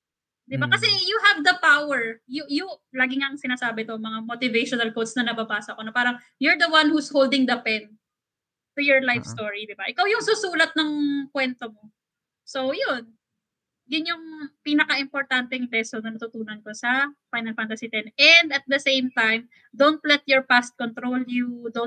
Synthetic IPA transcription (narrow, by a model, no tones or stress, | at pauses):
d̪ɪbakɐsɛjuɦɐvd̪ɐpawɛɹjʊjʊlaːɡɪŋaʔɐŋsɪnaːsaːbɛt̪omɐŋamot̪ɪvejʃonɐlkowd̪snɐnɐbabaːsɐʔɐko̞nɐpaːɾɐŋ | jɔɹd̪ɐwanhushowld̪ɪŋd̪ɐpɛn̚ | t̪ujɔɹlajfst̪oɹid̪ɪbaʔɪkawjʊŋsusuːlɐt̪̚nɐŋkwɛnt̪omo | sowjon | jʊnjʊŋpiːnɐkɐʔɪmpoɹt̪ant̪ɛŋdɛsonɐnɐt̪ʊt̪uːnɐnko̞sɐfajnɐlfant̪ɐsit̪ɛnɛnd̪ɐt̪̚d̪ɐsejmt̪ajm | d̪ont̪̚lɛt̪̚jɔɹpast̪̚kont̪ɾoljud̪o